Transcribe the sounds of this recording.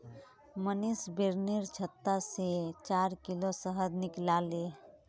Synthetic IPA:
mənisbeɾniɾt͡ʃʰət̪ːaset͡ʃaːɾkilosəɦəd̪nɪklaːle

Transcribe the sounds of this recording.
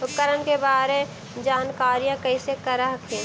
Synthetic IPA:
ʊkəɾənkebaːɾe | d͡ʒaːnkaːɾijãkəɪsekəɾaɦkʰẽː

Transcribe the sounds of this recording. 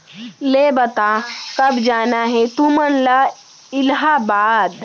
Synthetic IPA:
leːbɐt̪akɐbd͡ʒaːnaɦɛt̪umənla | ɪlɦabaːd̪

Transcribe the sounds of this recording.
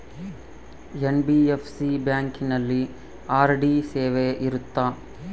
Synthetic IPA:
enbiepʰsibjaːŋkinɐlːi | aːɾɖiseːʋeʔiɾut̪ːa

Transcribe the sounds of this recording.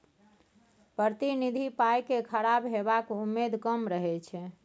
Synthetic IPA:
pɾəɾət̪inid̪ʱipajkekʰəɾabɦebakumːed̪ʱkəmɾəɦɛt͡ʃʰɛ

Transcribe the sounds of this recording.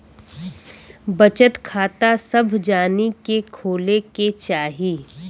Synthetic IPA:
bɐt͡ʃət̪kʰaːt̪asɐbʱd͡ʒaːnikekʰoːleket͡ʃaːɦiː

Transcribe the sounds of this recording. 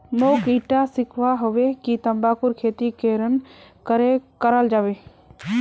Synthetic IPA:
noːkiːʈasɪkʰʋaɦʊʋekit̪ɐmbaːkʊɾkʰeːt̪ikeːɾən̆kəɾekəɾəld͡ʒaːʋeː

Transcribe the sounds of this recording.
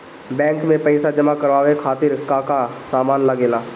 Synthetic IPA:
bɛ̃ːŋkmẽpəɪsad͡ʒəmakəɾʋaːʋekʰaːt̪ɪɾkaːkasaːmaːnləɡeːlaː

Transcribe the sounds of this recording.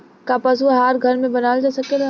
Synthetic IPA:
kapɐsuɦaːɾɡʱɐɾmẽbɐnaːld͡ʒaːsɐkeɾa

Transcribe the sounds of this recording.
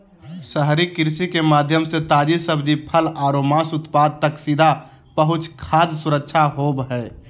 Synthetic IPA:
səɦɾikɪɾsikemaːd̪ʱjəmset̪aːd͡ʒisəbd͡ʒipʰəlaːɾomasʊt̪paːd̪̚t̪əksid̪ʱa | pəɦʊt͡ʃkʰaːd̪sʊɾək̚ʃʰaɦoːbɦɛː

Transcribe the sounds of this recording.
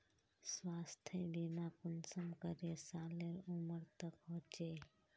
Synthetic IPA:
swaːst̪ʰebinaːkʊnsəmkəɾesaːleɾʊməɾt̪əkɦõːt͡ʃeː

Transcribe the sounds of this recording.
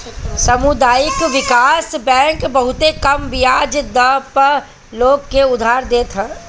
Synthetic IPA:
sɐmʊd̪aːjɪkʋɪkaːsbɛ̃ːŋkbɐɦʊt̪ekɐmʋɪjaːd͡ʒd̪əpɐɾ | loːɡːeʊd̪ʱaːɾd̪eːt̪ʰaː

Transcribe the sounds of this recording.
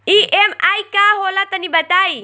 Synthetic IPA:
iʔɛmajkaɦolat̪anibat̪ai

